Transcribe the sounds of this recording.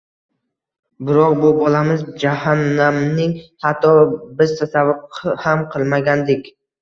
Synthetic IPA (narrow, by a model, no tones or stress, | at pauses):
bɪɾɒqbʊbɒlamɪzd͡ʒahanːamnɪŋhat̪ʰːɒbɪzt̪ʰasavʊɾqʰhamqʰɨlˠmaɡʲand̪ɪkʲ